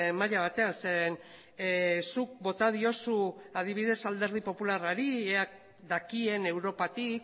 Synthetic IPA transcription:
maʎaβ̞at̪e̞anseɾen | suk̚bo̞t̪aðio̞suað̞iβ̞iðe̞sald̪e̞ɾð̞ipo̞pularaɾieak̚ | d̪akie̞ne̞wɾo̞pat̪ik

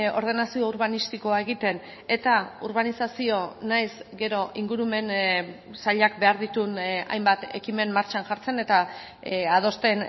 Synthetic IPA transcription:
o̞ɾðe̞nasio̞uɾβanist̪iko̞ae̞ɣ̞it̪e̞n | e̞t̪auɾβanisasio̞najsɡe̞ɾo̞ʔiŋɡuɾume̞n | saʎak̚be̞aɾðit̪una̰jmbat̪e̞kime̞nmaɾt͡ʃanʝaɾt͡se̞ne̞t̪a | að̞o̞st̪e̞n

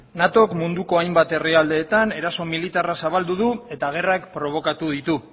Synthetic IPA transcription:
nat̪o̞kmund̪uko̞ajmbat̪e̞riald̪e̞ːt̪ane̞ɾaso̞milit̪arasaβ̞ald̪uðue̞t̪aɣ̞e̞rakpɾo̞β̞o̞kat̪uð̞it̪u

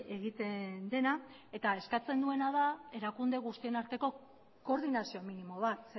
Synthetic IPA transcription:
e̞ɣ̞it̪e̞nd̪e̞na | e̞t̪ae̞skat͡se̞nd̪ue̞nað̞ae̞ɾakund̪e̞ɣ̞ust̪ie̞naɾt̪e̞ko̞ | ko̞ɾðinasio̞minimo̞β̞at̪s

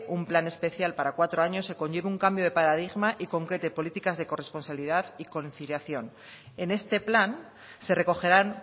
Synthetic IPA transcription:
umplane̞spe̞θjalpaɾakwat̪ɾo̞aɲo̞se̞ko̞ɲʝe̞βeuŋkambjo̞ð̞e̞paɾaðiɣmaʔiko̞ŋkɾe̞t̪e̞po̞lit̪ikazðe̞ko̞respo̞nsaβiliðaðiko̞nθiljaθjo̞n | e̞ne̞st̪e̞plan | se̞re̞ko̞xe̞ɾan

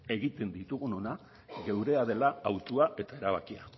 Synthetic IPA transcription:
e̞ɣit̪e̞nd̪it̪uɣ̞uno̞na | ɣe̞wɾe̞aðe̞laːwt̪uae̞t̪ae̞ɾaβ̞akia̰

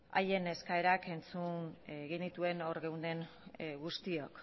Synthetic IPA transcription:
a̰je̞ne̞skaeɾake̞nt͡sunɣenit̪ue̞no̞ɾɣe̞wnd̪e̞ŋ | ɡust̪io̞k

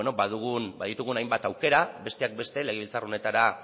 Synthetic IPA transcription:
eno̞baðuɣunbaðit̪uɣ̞unajmbat̪awke̞ɾabe̞st̪e̞ak̚be̞st̪e̞le̞ɣ̞eilt͡saro̞ne̞t̪aɾa

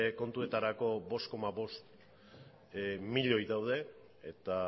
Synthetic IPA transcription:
ko̞nt̪ue̞t̪aɾako̞βo̞st̪̚ko̞maβo̞st̪ | miʎo̞jðawð̞e̞ː | t̪a

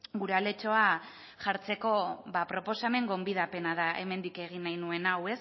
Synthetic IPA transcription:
ɡuɾeale̞t͡ʃo̞a | ʝaɾt͡se̞ko̞βapɾo̞po̞same̞ŋɡo̞mbiðape̞naðaʔe̞̰me̞nd̪ike̞ɣ̞inajnue̞nawe̞s

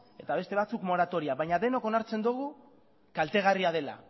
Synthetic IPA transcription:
e̞t̪aβ̞e̞st̪e̞β̞at͡sukmo̞ɾat̪o̞ɾiaβajɲaðe̞no̞ko̞naɾt͡se̞nd̪uɣ̞u | kalt̪e̞ɣ̞ariaðe̞la̰

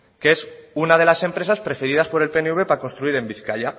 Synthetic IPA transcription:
keesunað̞e̞lase̞mpɾe̞saspɾe̞feɾið̞aspo̞ɾe̞lpeneuβe̞pakonst̪ɾuiɾe̞mbiθkaʎa

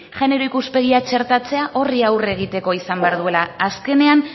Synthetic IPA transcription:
ʝe̞ne̞ɾo̞ikuspe̞ɣ̞iat͡ʃe̞ɾt̪at͡se̞aʔo̞riawre̞ɣ̞it̪e̞ko̞isambe̞aɾðuelaːske̞ne̞an

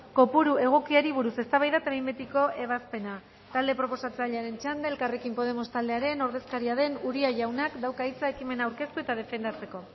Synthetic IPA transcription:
ko̞puɾue̞ɣ̞o̞kiaɾiβuɾuse̞st̪aβajðat̪eβajmbet̪iko̞ʔe̞βaspe̞na | t̪ald̪e̞pɾo̞po̞sat͡saʎeaɾe̞nt͡ʃand̪elkare̞kimpo̞ð̞e̞mo̞st̪ald̪e̞aɾe̞no̞ɾðe̞skaɾiaðe̞nuɾiaʝawnakd̪awkait͡sae̞kime̞naːwɾke̞st̪ue̞t̪að̞e̞fe̞nd̪at͡se̞ko̞

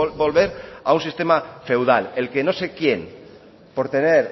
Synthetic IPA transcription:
bo̞lβeɾaunsist̪e̞mafe̞wð̞ale̞lkeno̞sekje̞n | poɾt̪e̞neɾ

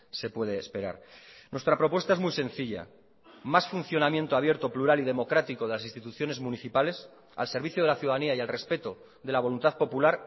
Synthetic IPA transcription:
se̞pwe̞ð̞e̞ːspe̞ɾa̰ɾnwe̞st̪ɾapɾo̞pwest̪ae̞zmujsẽ̞n̟θiʎa̰ | masfun̟θjo̞namje̞nt̪oaβ̞je̞ɾt̪opluɾaliðe̞mo̞kɾat̪iko̞ðe̞lasĩnst̪it̪uθjone̞zmũniθipale̞s | a̰lse̞ɾβiθjoð̞e̞laθjuðaðaniaialre̞spe̞t̪o̞ | ðe̞laβ̞o̞lunt̪aðpo̞pulaɾ

